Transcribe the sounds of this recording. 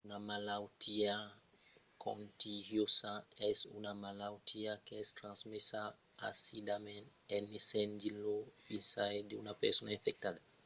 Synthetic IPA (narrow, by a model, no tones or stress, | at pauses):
unamalawt̪ia | kʰõ̰nt̪ihjosaɛsṵnamalawt̪ʰiakeɛst̪ɾãnsmesa | a̰sid̪amɛ̃n | ɛnːisɛndiloinsajd̪eunapɛɾsonaĩɱfɛk̚t̪ad̪a